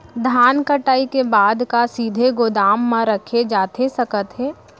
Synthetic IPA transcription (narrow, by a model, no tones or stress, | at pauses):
d̪ʱaːnkəʈaːikebaːd̪kasiːd̪ʱeɡoːd̪aːmːãɾɐkʰed͡ʒaːt̪esɐkət̪ɦɛ̃ː